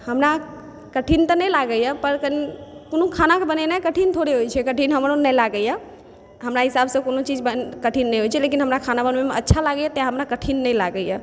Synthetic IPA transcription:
həmɾa | kəʈʰint̪ənɛjlaɡəjəpəɾkənkonokʰanakebənɛnakəʈʰint̪ʰoɽeɦojt͡ʃʰɛkəʈʰinɦəmɾonɛjlaɡəja | ɦəmɾaɦisabsə̃konot͡ʃid͡ʒbəkəʈʰinːɛɦojt͡ʃʰɛlekinɦəmɾakʰanabənmemeətːʃʰalaɡəjat̪aɦəmɾakəʈʰinːɛjla̰ɡəjə

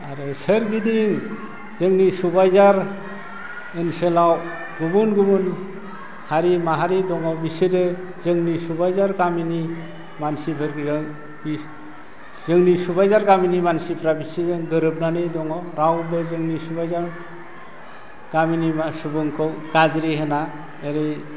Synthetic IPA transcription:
aɾɯsɯɾɡidiŋ | z̥ɯŋnisubajzaɾ | ɯnselaw | ɡubunɡubun | haɾimaɦaɾidɔŋawbiseɾɯ | zɯŋnisubajzaɾɡamini | mansipʰɯɾɡzŋ | zɯŋnisubajzaɾɡaminimansipʰɾabisezɯŋɡɯɾɯbnanɯdɔŋawɾawbɯzɯŋnisubajzaɾ | ɡ̥aminimasubɯŋkʰɯwɡ̥azɾiɦena | eɾe

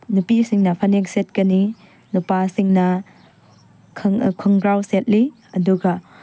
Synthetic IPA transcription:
nupisiŋnɐpʰɐnekset̚kɐni | nupasiŋnɐ | kʰŋkʰuŋɡɾawset̚li | ɐduɡɐ

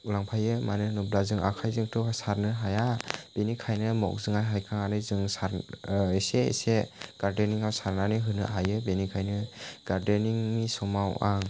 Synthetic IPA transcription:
ulaŋpʰajɯmanɯnɯblazɯŋa̰kʰajzɯŋtusaɾnɯɦajab̥enikʰajnɯmɔ̰k̚zɯŋajɦajkʰaŋanɯzɯŋsaɾeseḛseɡ̥aɾdeniŋawsaɾnanɯɦɯnɯ̰ɦajɯbenikʰajnɯɡ̥aɾdeniŋmisɔmawaŋ

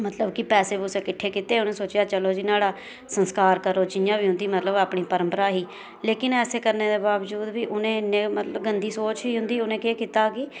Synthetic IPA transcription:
mət̪ləbkɪpɛːseːbʊseːkɪʈʰːeːkɪt̪eːʊnẽːsoːt͡ʃɪjaːt͡ʃəloːd͡ʒinaːɽaː | sənskaːɾkəɾoːd͡ʒɪjãːbiːɦʊ̃nd̪iːmət̪ləbaːpɳiːpəɾə̃mpəɾaːɦiː | leːkɪnɛːseːkəɾneːd̪eːbaːʋd͡ʒuːd̪biːʔʊnẽːnẽːmət̪ləbɡənd̪iːsoːt͡ʃiːɦʊnd̪iːʊnẽːkeːkɪt̪aːkɪː

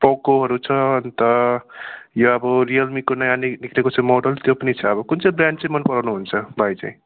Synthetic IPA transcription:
pɔkoɦʌɾut͡sʰʌnt̪ʌ | joʌbʌɾiʌlmikonʌjaniniklekot͡sʰʌmoɖʌlt̪jopʌnit͡sʰʌːbʌkunt͡sʌ̃bɾjaɳɖt͡sʌĩmʌnpʌɾawnuɦunt͡sʰʌbʱajt͡sã̰ĩ

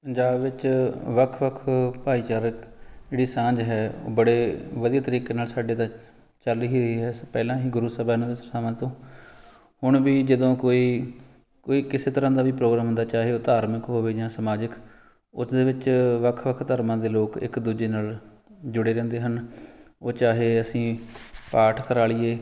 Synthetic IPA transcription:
pəɲd͡ʒaːbʋɪt͡ʃʋəkʰʋəkʰpaːiːt͡ʃaːɾəkd͡ʒeːɽiːsãːd͡ʒɦɛːo̰ːbəɽeːʋəd̪iaːt̪əɾiːkeːnaːlsaːɖeːt̪ãː | t͡ʃəliːɦiːɾəɦiːɦɛːpɛːlãːɦiːɡʊɾuːsəbaːnãːd̪essaːmãːt̪õː | hʊɳ̃ʋiːd͡ʒəd̪õːkoːiː | koːiːkɪseːt̪əɾãːd̪aːʋiːpɾoːɡɾaːmɦʊ̃nd̪aːt͡ʃaːɦeːoːt̪aːɾməkɦoːʋeːd͡ʒãːsəmaːd͡ʒək | ʊsd̪eːʋɪt͡ʃʋəkʰʋəkʰt̪əɾmãːd̪eːloːkɪ̰kd̪uːd͡ʒeːnaːl | d͡ʒʊɽeːɾɛ̃ːnd̪eːɦənoːt͡ʃaːɦeːəsĩːpaːʈʰkəɾaːlieː

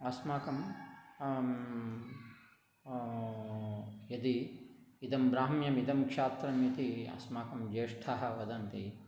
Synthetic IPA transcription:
ɐsmaːkɐm | jɐd̪i | id̪ɐmbɾaːɦɐmjɐmid̪ɐmkʂaːt̪ɾɐmjɐt̪iɐ̰smaːkɐmd͡ʒeːʂʈʰaːɦɐ̆ʋɐd̪ɐnt̪i

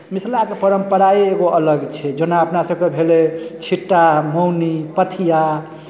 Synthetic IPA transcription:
misʰlakepəɾəmpəɾaieɡoʔələɡt͡ʃʰɛd͡ʒonaəpnasəb̚kebʱelet͡ʃʰiʈːamownipət̪ʰija

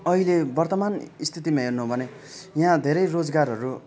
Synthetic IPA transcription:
ʌɦilebʌrt̪ʌmanist̪ʰit̪imaɦirnuɦobʱʌne | jɦãd̪ʱeɾʌjrod͡zɡarɦʌɾu

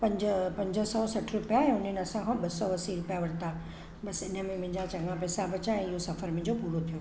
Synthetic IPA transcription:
pɐ̃ɲd͡ʑəpɐ̃ɲd͡ʑəsɔsɐʈʰɾʊpijaɛ̃ʊn̤enɪɐsãkʰɔ̃ɓɐsɔʋɐsiɾʊpjaʋɐɽt̪a | bɐsɪnəmẽmɐ̃ɦɪ̃d͡ʑat͡ɕɐ̃ŋɡʋãpɛːsabɐt͡ɕãɛ̃ɪɦosɐfəɾmẽɪ̃ɲd͡ʑopuːɽot̪ʰijo

